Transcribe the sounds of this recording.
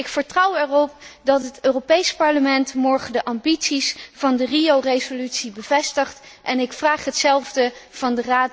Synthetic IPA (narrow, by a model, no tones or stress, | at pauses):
ɪkfəɹtrʌwɛrɔp̚dɑtɦətøːropejspɑɹləmɛntmɔɹχədəʔɑmbitsisvɑndəriowrejzolytsibəvɛstəχtʔɛnɪkfraːχɦətsɛlˠvdəv̥ɑndəraːt